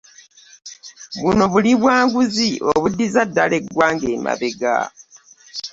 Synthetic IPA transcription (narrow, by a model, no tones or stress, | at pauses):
βuno̞βuliβwaːŋɡuzioβudːizadːale̞ɡwaːŋɡe̞ːma̰βeɡa̰